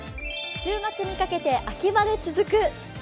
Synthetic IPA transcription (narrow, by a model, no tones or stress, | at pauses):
ɕɨːmat͡sɨɲ̟ikake̞t̪e̞ʔakʲimad̪e̞t͡sɨzɨkɯ̟